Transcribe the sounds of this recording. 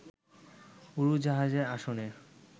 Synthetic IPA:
uɾud͡ʑaɦad͡ʑeɾaʃone

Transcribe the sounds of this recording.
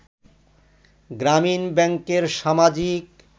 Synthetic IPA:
ɡɾaminbɛŋkeɾʃamad͡ʑik

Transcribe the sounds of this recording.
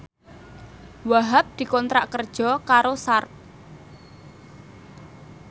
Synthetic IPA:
waɦap̚d̪̥i̤kɔnt̪ɾaʔkərd̥ʒ̥ɔ̤kaɾosart̪̚

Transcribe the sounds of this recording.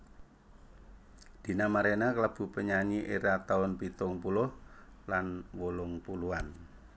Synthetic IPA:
d̪̥i̤namaɾenakəlab̥ṳpəɲaɲiʔeɾat̪aʊnpit̪ʊŋpulʊh | lanwolʊŋpuluan

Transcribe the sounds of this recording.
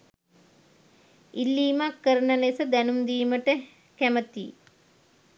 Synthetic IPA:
ilːiːmakːəɾənəlesəd̪ænumd̪iːməʈə | kæmət̪ḭː

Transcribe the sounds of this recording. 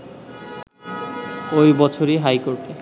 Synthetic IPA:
ojbɔt͡ɕʰoɾiɦajkoɾʈe

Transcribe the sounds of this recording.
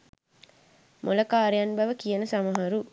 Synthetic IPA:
mʔulɐkaːɾejɐnbɐʋəkijɐnəsɐmɐɦɐɾu

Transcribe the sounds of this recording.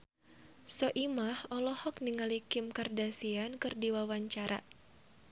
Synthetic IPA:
sɔʔimahɔlɔhɔkniŋalikɪmkardasiankɨrdiwawaɲt͡ʃaɾʔa̰

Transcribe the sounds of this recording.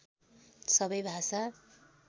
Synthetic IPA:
sʌbʌjbʱasa

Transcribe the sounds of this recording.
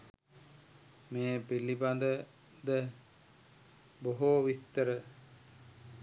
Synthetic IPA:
meːpiliband̪ə | d̪ə | boɦoʋit̪ːəɾə

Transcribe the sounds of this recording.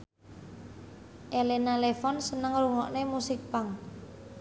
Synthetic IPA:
ʔelenalefɔnsənəŋruŋɔʔnemusik̚paŋ

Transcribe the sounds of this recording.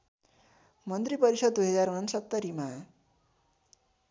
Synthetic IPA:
mʌnt̪ripʌɾisʌd̪̚ːujɦʌd͡zarɦunʌnsʌt̪ːʌɾima

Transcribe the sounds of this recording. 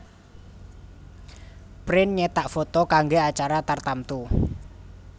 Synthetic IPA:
pɾɪnɲɛt̪aʔfot̪ɔkaŋɡeat͡ʃaɾat̪art̪amt̪u

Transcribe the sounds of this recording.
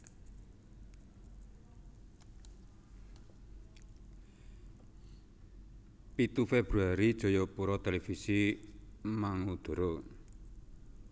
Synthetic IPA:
pit̪ufeb̥ɾuaɾid̥ʒ̥o̤jɔpuɾɔt̪elefisi | maŋud̪̥o̤ɾo

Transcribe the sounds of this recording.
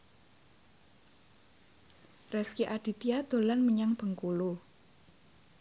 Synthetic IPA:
rɛskiʔaɖ̥i̤t̪iad̪̥o̤lanməɲaŋb̥əŋkulu

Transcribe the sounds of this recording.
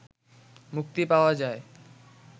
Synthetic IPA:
muk̚t̪ipaoad͡ʑae

